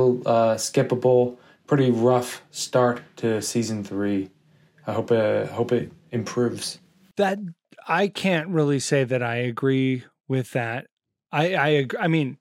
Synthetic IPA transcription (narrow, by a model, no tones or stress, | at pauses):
ʌskɛpəbl̩ˠ | pʰɹ̥ɪɾiɹʌfstɑɹtʰɨsizɨ̃n̩θɹi | aɪɦoʊpɪaɪhoʊpɪɾɨ̃mpʰɹ̥ʉvz̥ | ðɨt̚ | aɪkʰæ̃nt̚ɹɪlˠiseɪðɨɾaɪɨɡɹi | wɪðæt̚ | aɪaɪɨɡaɪmĩn